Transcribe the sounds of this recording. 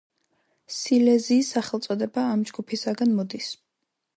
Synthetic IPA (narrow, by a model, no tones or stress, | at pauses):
silɛziːsːaχɛlˠt̪sʼɔd̪ɛbaːmd͡ʒɡupʰisaɡanmɔd̪is